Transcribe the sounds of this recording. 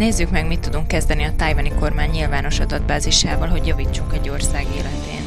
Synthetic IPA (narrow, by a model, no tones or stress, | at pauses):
neːzːykmɛɡmit̪ːud̪uŋkːɛzd̪ɛniɒt̪ajvɒniko̞rmaːɲːilvaːno̞ʃɒd̪ɒd̪̚baːziʃaːvɒlɦo̞ɟjɒviːt͡ʃːuŋkɛɟːo̞rsaːɡḛːlɛt̪ḛːn